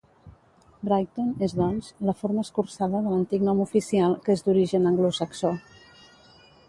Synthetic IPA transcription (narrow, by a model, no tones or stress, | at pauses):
brajt̪onezðɔnzləfoɾməskursaðəðələnt̪iknɔmufisialˠkezd̪uɾiʒənəŋɡlusəkso